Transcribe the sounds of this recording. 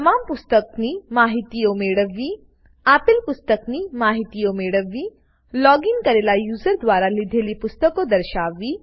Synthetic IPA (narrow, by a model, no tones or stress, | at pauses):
t̪əmaːmpust̪əkniːmaɦit̪ijomeɽəʋːiː | apilpust̪əkniːmaɦit̪ijomeɽəʋːiː | lɔɡiŋkəɾelajuːzəɾd̪ʋaɾalid̪ʱeliːpust̪əkod̪əɾɕaːʋiː